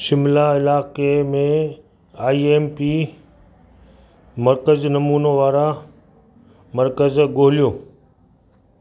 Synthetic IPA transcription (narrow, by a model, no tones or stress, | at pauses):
ʃɪmlaɪlaːkemẽ | aːiːeːmpi | mɐɾkəznɐmuːnoʋaːɾa | mɐɾkəzɡoːɦɪlijoː